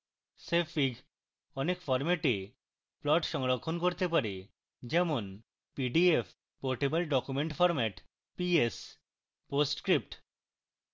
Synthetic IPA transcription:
sefiɡ | ɔnekfɔɾmɛʈe | plɔʈʃɔŋɾokʰːonkoɾt̪epaɾe | d͡ʑɛmon | piɖief | pɔɾʈebalɖɔkumeɳʈfɔɾmɛʈ | pies | posʈkɾip̚ʈ

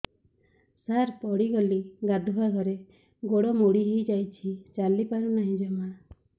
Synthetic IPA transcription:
saɾpɔɽiɡɔliɡad̪ʱubaɡʱɔɾe | ɡoɽɔmuɽiɦejd͡ʒajt͡ʃʰit͡ʃalipaɾunaɦĩd͡ʒɔma

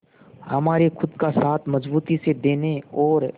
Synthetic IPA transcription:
hɐmaːɾexʰʊd̪kasaːt̪ʰmɐzbuːt̪ised̪eːneɔːɾ

